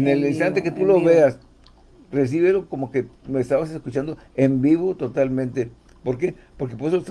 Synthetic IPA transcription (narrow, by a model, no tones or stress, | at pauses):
enelinst̪ant̪e̞ket̪ulo̞βe̞as | re̞s̬iβelo̞ko̞mo̞ke̞meːst̪aβase̞skut͡ʃand̪o̞ | embiβo̞t̪o̞t̪almẽnt̪e̞ | po̞ɾk̬epo̞ɾkepoɾesost̪